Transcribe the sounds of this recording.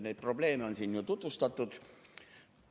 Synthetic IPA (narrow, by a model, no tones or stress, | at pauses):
net̪̚pro̞ble̞ːmeo̞nsiːnjut̪ut̪vust̪ɑt̪ːˑud̪̥